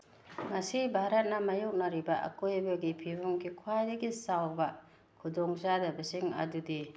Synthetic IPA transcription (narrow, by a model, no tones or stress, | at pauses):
ŋɐsibʱaɾɐt̚nɐmɐjok̚nɐɾibɐʔɐ̰kojbɐɡipʰibumɡikʰwajdɐɡisawbɐ | kʰudoŋzadɐbɐsiŋɐ̰dudi